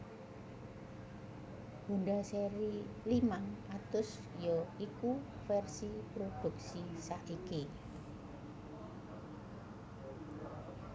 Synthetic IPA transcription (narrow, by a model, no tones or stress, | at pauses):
b̥ṳnɖaseɾilimaŋat̪ʊs | jɔiku | fɛrsipɾod̥ṳk̚sisaʔiki